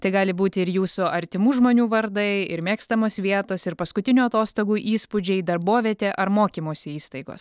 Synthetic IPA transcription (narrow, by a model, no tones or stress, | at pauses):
t̪ɐɪɡɑːlʲɪbuːt̪ʲɪɪɾjuːsʊɐɾʲt̪ʲɪmuːʒmoːnʲuːʋɐɾd̪ɐɪɪɾmʲeːkst̪ɐmoːsʋʲiɛt̪oːsɪɾpɐskʊt̪ʲɪnʲuːɐt̪oːst̪oːɡuːʔiːspʊd͡ʒʲɛɪd̪ɐɾboːʋʲiɛt̪ʲeːʔɐɾmoːkʲiːmoːsʲɪiːst̪ɐɪɡo̰ːs